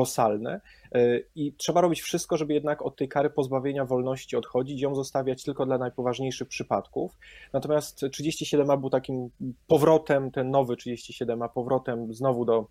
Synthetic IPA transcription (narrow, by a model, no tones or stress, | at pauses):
lɔsalnɛ̰ | itʂɛbaɾɔbʲit͡ɕfʂɘst̪kɔʐɛbɘjɛd̪nakɔt̪ːɛjkaɾɘpɔzbavʲjeɲavɔlnɔɕt͡ɕiɔt̪xɔd͡ʑit͡ɕjɔ̃w̃zɔst̪avʲjat͡ɕt̪ɘlkɔd̪lanajpɔvaʐɲejʂɘxpʂɘpat̪kufnat̪ɔmʲjast̪ʂɘd͡ʑeɕt͡ɕiɕɛd̪ɛmabɘwt̪akʲimpɔvɾɔt̪ɛmt̪ɛnːɔvɘtʂɘd͡ʑeɕt͡ɕiɕɛd̪ɛmapɔvɾɔt̪ɛmznɔvud̪ɔ